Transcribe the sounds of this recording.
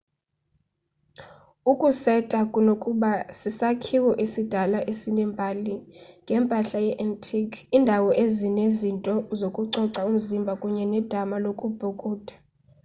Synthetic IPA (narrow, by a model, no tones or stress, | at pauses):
ukʼusɛtʼakʼunokʼuɓasisakʰiwɛʔisid̥ʱalaʔesinɛmbʱaliŋɡʱɛmpʼaɬajɛʔɛntʰikʰindʱawɔʔezinezintʼɔzokʼuǀɔǀaum̩zimbʱakʼuɲɛnɛd̥ʱamalokʼub̥ʱukʼuːd̥ʱḁ